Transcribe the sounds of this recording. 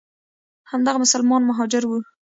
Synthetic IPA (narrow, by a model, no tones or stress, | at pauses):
hamd̪aɣamʊsalmɑnmaɦɑd͡ʒɪɾwu